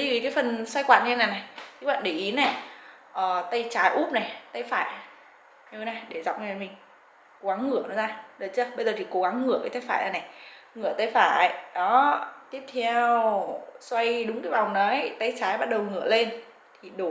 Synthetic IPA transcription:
i˧˩i˨˦kaː˨˦fə˨˩nswa˧jkwaː˧˩˨nɲə˧na˨˩jna˨˩jʰi̥˨˦ɓa̰ː˧˨nɗə˧˩ʔi˨˦na˨˩j | ʔəː˨˩t̪ə˧jt͡ɕaː˨˦jʔu˦˥p̚na˨˩jt̪ə˧jfaː˧˩˨j | ɲ˧ə˨˦na˨˩ɗe˧˩za̰˧˩wŋ͡ma˨a˨˩mï˨˩ŋ̟ | ko˨˦ɣa˨˦ŋːɨ˧˩ənɔ˨˦zaː˧˩ɗə˨˩t͡ɕɨ˧˦ɓə˧jzəː˨˩t̪ʰi˨˩ko˨˦ɣa˨˦ŋːɨ˧˩˨əkaː˨˦t̪a˧jfa̰ː˧˨jʔa˨˩na˨˩jŋɨ˧˩ət̪ə˧jfaː˧˩˨jɗɔ˨˦t̪i˦˥əp̚t̪ʰɛ˧wswa˧jɗʊ˨˦ŋ͡mka˨˦ɓa˨˩wŋ͡mnɔ˨˦jt̪ə˧jt͡ɕaː˨˦jɓa˦˥t̚ɗə˨˩wŋɨ̰˧˩əle˧n | t̪ʰi˨˩ɗo˧˩

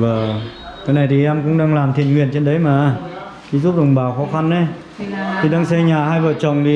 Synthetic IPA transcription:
vəː˨˩ | kə˨˦na˨˩jt̪ʰi˨˩ʔɛ˧mkʊ̰˧˥ŋ͡mɗaː˧ŋlaː˨˩mt̪ʰi˨ənŋwḭ˧˨ənt͡ɕe˧nɗə˨˦jmaː˨˩ʔ | ki˨˦zu˦˥p̚ɗə˨˩wŋ͡mɓaː˧˩wxɔ˨˦xa˧nʔə˨˦ | t̪ʰi˨˩ɗaː˧ŋsɛ˧ɲaː˨˩haː˧jvə̰ː˧˨t͡ɕə˨˩wŋ͡mt̪ʰi˨

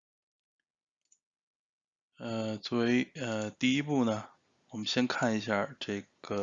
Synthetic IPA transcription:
ə˧t͡swɔ˥˩we˧˥ɪə˧t̪i˥˩i˥pu˥˩nə˩ | wɔ˨˩mə˦nɕjɛ˥nkʰa˥˩ni˧˥ɕ̬ja˥˧ʈ͡ʂɤ˥˩ɡ̥ə˩

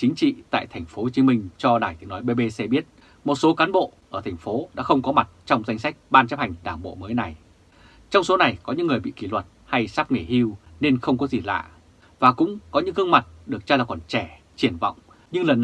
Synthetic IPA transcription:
t͡ɕï˨˦ŋ̟t͡ɕḭ˧˨t̪a̰ː˧˨jt̪ʰa˨˩ŋ̟fo˨˦ho˨˩t͡ɕi˨˦mï˧ŋ̟t͡ɕɔ˧ɗaː˨˩jt̪ʰəŋnɔ˨˦jɓe˧ɓe˧se˧ɓi˦˥ət̚ | mo˨˩t̚so˨˦kaː˨˦nɓo̰˧˨ʔəː˧˩t̪ʰa˨˩ŋ̟fo˨˦ɗa̰ː˧˥xə˧wŋ͡mkɔ˨˦ma˨˩t̚t͡ɕɔ˧wŋ͡mza˧jŋ̟sa˦˥jk̟̚ɓaː˧nt͡ɕa˦˥p̚ha˨˩ŋ̟ɗaː˧˩ŋɓo̰˧˨məː˨˦jna˨˩j | t͡ɕɔ˧wŋ͡mso˨˦na˨˩jkɔ˨˦ɲɨ̰˧˥ŋːɨ˨˩əjɓḭ˧˨kḭ˧˩˨lwə˨˩t̚ha˧jsaː˦˥p̚ŋe˧˩hi˧wne˧nxə˧wŋ͡mkɔ˨˦zi˨˩la̰ː˧˨ | vaː˨˩kʊ̰˧˥ŋ͡mkɔ˨˦ɲɨ̰˧˥ŋkɨ˧əŋma˨˩t̚ɗɨ˨˩ək̚t͡ɕaː˧laː˨˩kɔ˨˩nt͡ɕɛ˧˩ | t͡ɕi˧˩ənvɔ̰˧˨wŋ͡m | ɲɨ˧ŋlə˨˩n

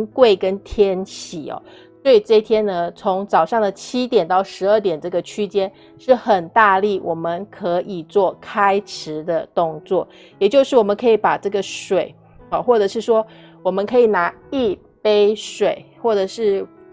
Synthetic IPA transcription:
ŋkwe˥˩ɪkə˦nt̪ʰjɛ˥nt͡ɕʰi˨˩ɔ̰˨˩ | swɔ˧˥i˨˩ʈ͡ʂɤ˥˧i˥t̪ʰjɛ˥nnə˧t͡sʰo˧˥ŋt͡sɑ˨˩ʊʂɑ˥˩ŋd̪ə˩t͡ɕʰi˥t̪jɛ˨˩nt̪ɑ˥˩ʊʂɻ̩˧˥ə˥˩t̪jɛ˨˩nʈ͡ʂɤ˥˩ɡə˩t͡ɕʰy˥t͡ɕjɛ˥n | ʂɻ̩˥˩xə˨˩nt̪a˥˧li˥˩wʔɔ˨˩mə˦nkʰɤ˧˥ʔi˨˩t͡swɔ˥˩kʰa˥ɪʈ͡ʂʰɻ̩˧˥d̪ə˧t̪ʊ˥˧ŋt͡swɔ˥˩ | jɛ˨˩t͡ɕjo˥˧ʊʂɻ̩˥˩wɔ˨˩mə˧˦nkʰɤ˧˥i˨˧˩pa˨˩ʈ͡ʂɤ˥˩ɡə˩ʂwe˨˩ɪ | ɔ˧˨xwɔ˥˩ʈ͡ʂɤ˨˩ʂɻ̩˥˩ʂwɔ˥wɔ˨˩mə˧˦nkʰɤ˧˥i˨˩na˧˥i˥˧ | pe˥ɪʂwe˨˩ɪxwɔ˥˩ʈ͡ʂɤ˨˩ʂɻ̩˥˩

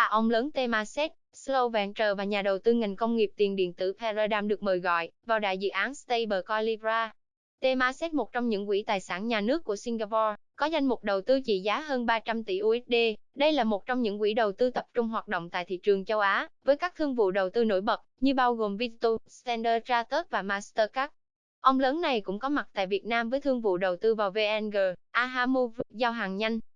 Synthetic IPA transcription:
ʔaː˧˩ʔə˧wŋ͡mləː˨˦nt̪e˧maː˧sɛ˦˥t̚ | slo˧wvɛ˧˩nt͡ɕəː˨˩vaː˨˩ɲaː˨˩ɗə˨˩wt̪ɨ˧ŋa˨˩jŋ̟kə˧wŋ͡mŋi˨˩əp̚t̪i˨˩nɗḭ˧˨ənt̪ɨ̰˧˩pʰɛ˧zəː˧ɗaː˧mɗɨ˨˩k̚məː˨˩jɣɔ̰˧˨jvaː˨˩wɗa̰ː˧˨jzɨ̰˧˨ʔaː˨˦nst̪ə˧jɓəː˨˩kɔ˧li˧pzaː˧ | t̪e˧maː˧sɛ˦˥t̚mo˨˩t̚t͡ɕɔ˧wŋ͡mɲɨ̰˧˥ŋkwḭ˧˩t̪aː˨˩jsaː˧˩nɲaː˨˩nɨ˦˥əkːu˧˩əsi˧ŋɣaː˧pɔ˧kɔ˨˦za˧jŋ̟mo˨˩t̚ɗə˨˩wt̪ɨ˧t͡ɕḭ˧˨zaː˨˦ɦəː˧nɓaː˧t͡ɕa˧mt̪ḭ˧˩ʔu˧ʔɛ˦˥t̚ɗe˧ɗə˧jlaː˨˩mo˨˩t̚t͡ɕɔ˧wŋ͡mɲɨ̰˧˥ŋkwḭ˧˩ɗə˨˩wt̪ɨ˧t̪ə˨˩p̚t͡ɕʊ˧ŋ͡mɦwaː˨˩t̚ɗo̰˧˨wŋ͡mt̪a̰ː˧˨jt̪ʰḭ˧˨t͡ɕɨ˨˩ŋt͡ɕə˧wʔaː˨˦vəː˨˦jkaː˦˥k̚t̪ʰɨ˧əŋvṵ˧˨ɗə˨˩wt̪ɨ˧no̰˧˥jɓə˨˩t̚ɲɨ˧ɓaː˧wɣo˨˩mvi˧t̪u˧st̪ɛ˧nɗəː˧taː˧t̪ə˦˥k̚vaː˨˩maː˧˩st̪əː˧kaː˦˥k̚ | ʔə˧wŋ͡mləː˨˦nːa˨˩jkʊ̰˧˥ŋ͡mkɔ˨˦ma˨˩t̚t̪a̰ː˧˨jvi˨˩ət̚naː˧mvəː˨˦jt̪ʰɨ˧əŋvṵ˧˨ɗə˨˩wt̪ɨ˧vaː˨˩wve˧ʔɛ˧nɣəː˨˩ʔaː˧ɦaː˧mo˧vzaː˧wɦaː˨˩ŋɲa˧jŋ̟

